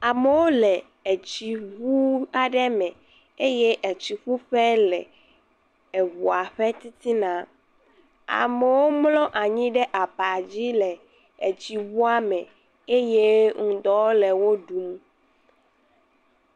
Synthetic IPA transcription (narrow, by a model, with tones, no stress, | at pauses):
a˨me˨wo˦lɛ˨ | e˨t͡ɕi˨βu˦a˨ɖɛ˦mɛ̃˨ | e˦je˦ʔe˨t͡ɕi˨ɸu˦ɸɛ˦lɛ̰˨ | ɛ˨βu˨a˨ɸɛ˦t̪i˦t̪i˦nã˨ | a̰˨mɛ˨wo˦mlɔ̃˦ʔa˨ɲĩ˦ɖɛ˦ʔa˨pa˨d͡ʑi˦lɛ˨ | e˨t͡ɕi˨βu˦a˦mɛ̃˨ | e˦je˦ŋũ˨d̪ɔ˦lɛ˨wo˦ɖu˨˦m